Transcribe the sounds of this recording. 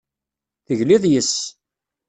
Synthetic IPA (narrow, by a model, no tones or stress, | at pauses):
θəʝliðˤjəs